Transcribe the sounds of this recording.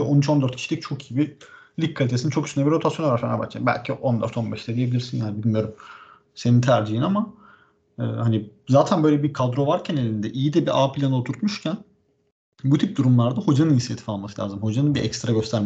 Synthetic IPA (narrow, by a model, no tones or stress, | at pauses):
ɛʔonyt͡ʃʰo̞nd̪øɾt̪cʰit͡ʃlʲic̚t͡ʃʰo̞ki̥ibi | ikkʰːalʲit̪es̬iit͡ʃokyst̪ʰnɛbiɾo̞t̪ʰasjonoaɾfanaba̰t͡ʃt͡ʃʰa̰mbæ̰lʲcʰiʔo̞nd̪ø̰ɾt̪ʰo̞nbɛʃd̪ɛd̪ijebilʲiɾsinjaːnibilʲmijo̞ɾum | se̞nint̪ʰæɾd͡ʒiɦinama | ɯːhanizaːt̪ʰænbø̞jlʲɛbikʰad̪ɾo̞vaɾcʰænelʲind̪ɛʔijid̪ɛbiʔaːpʰlʲanot̪ʰuɾt̪muʃcʰæn | but̪ʰip̚d̪uɾumlˠaɾd̪aho̞d͡ʒanɯniçsjet̪ʰi̥falˠmasɯlʲa̰ːzɯmho̞d͡ʒanɯnbiʔɛ̰cst̪ɾaɟøst̪ʰæɾm